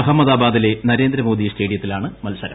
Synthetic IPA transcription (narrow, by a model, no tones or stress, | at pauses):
ɐɦɐmːɐd̪aːbaːd̪ile̞nɐɾe̞ːnd̪ɾɐmo̞ːd̪iste̞ːɽijɐt̪ːilaːɳɨmɐlsɐɾɐ